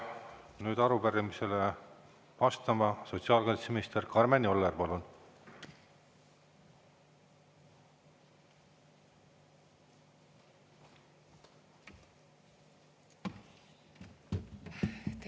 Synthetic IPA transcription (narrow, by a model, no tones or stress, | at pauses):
nyːd̪̥ɑɾupæɾimise̞le | vɑst̪ɑmɑso̞t̪siɑːlkɑjt̪semiist̪eɾkɑrmenio̞lːerpɑlun